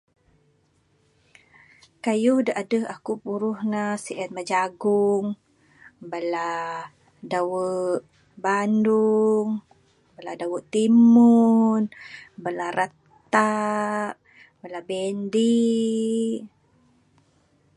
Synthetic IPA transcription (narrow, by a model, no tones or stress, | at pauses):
kajuhdaʔadəɦakupuɾuhnasiʔɛt̪̚mad͡ʒaɡuŋ | bala | dawəʔ | banduŋ | baladawəʔt̪imunbalaɾat̪aʔ | balabɛndi